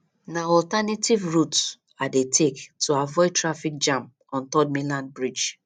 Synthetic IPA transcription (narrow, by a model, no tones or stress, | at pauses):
naɔltanativɹut | adetʰektʰuavɔɪtʰɹafik̚d͡ʒãm | ɔ̃ntɔd̚mĩlãnd̚bɹid͡ʒ